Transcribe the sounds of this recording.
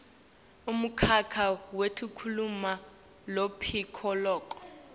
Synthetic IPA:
um̩kʰakʰawetʰukʰuluma | lopʰikʰɔlɔːkʼɔ̥

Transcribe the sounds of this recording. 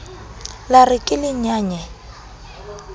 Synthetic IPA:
larɪkʼɪlɪɲaːɲɛ

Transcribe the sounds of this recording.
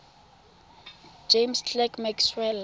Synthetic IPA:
d͡ʒemstlɛkmɛkswɛl

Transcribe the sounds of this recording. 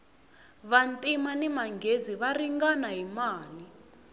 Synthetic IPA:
βantʼimanimaŋɡʱeziβariŋɡanaɦimaːli

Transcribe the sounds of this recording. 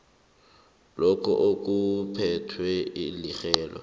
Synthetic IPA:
lɔkʰɔ̰ʔok̬ʼupʰɛtʰwɛilixɛːlɔ̰

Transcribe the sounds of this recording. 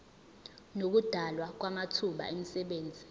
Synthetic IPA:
nok̬ud̥ʱalwak̬wamatʰuɓa̰emisɛɓeːnd͡zʱi

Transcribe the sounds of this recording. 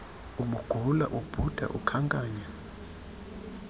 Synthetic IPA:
umuɡ̥ʱula̰ʔub̥ʱud̥ʱa̰ʔṵkʰaŋkʼaːɲa

